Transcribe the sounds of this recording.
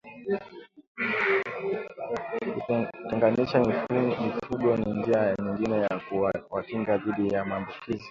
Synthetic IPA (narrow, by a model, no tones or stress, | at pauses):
kutɛŋɡaniʃamifuɡɔnind͡ʒiaɲiŋɡinɛjakuwakiŋɡaðiɗijamaːmbukʰizi